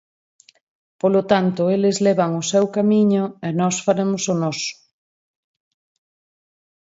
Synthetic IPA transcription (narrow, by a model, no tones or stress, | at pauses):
polot̪ant̪ʊelezlɛβ̞aŋosɛwkamiɲʊenɔsfaɾemosonɔsʊ̥